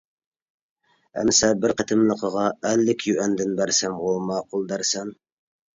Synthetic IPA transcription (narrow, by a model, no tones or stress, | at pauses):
æ̰msɛbɪɾqət̪ʰɨmlˠəqʰəʁɑælːɪkʰʲjyʔænd̪ɪnbæɾsæmʁomɑːqʰʊlˠd̪ɑɾsɛn